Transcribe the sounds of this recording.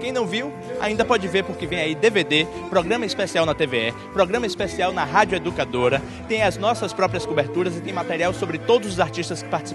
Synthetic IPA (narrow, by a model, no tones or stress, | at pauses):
kẽj̃nɐ̃w̃viw | a̰ĩnd̪ɐpɔd͡ʒɪveɾpoɾkevẽj̃aid̪eved̪e | pɾɔɡɾɐ̃mɐispesiawnɐt̪eveɛ | pɾɔɡɾɐ̃mɐispesiawnɐɦad͡ʒʊed̪ukad̪oɾɐ | t̪ẽj̃ɐznɔsɐspɾɔpɾiɐskobeɾt̪uɾɐzɪt̪ẽj̃mat̪ɛɾiawsobɾɪt̪od̪ʊzʊzaɾt͡ʃiʃt̪ɐskɪ̥paɾt͡ʃi̥sĩ